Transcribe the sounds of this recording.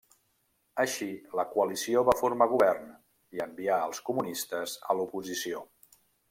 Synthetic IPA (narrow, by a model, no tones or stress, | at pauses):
əʃiləkuəlisioβafuɾmaɣ̞uβɛrn | iəmbiaəlˠskumunist̪əzə̰lupuzisio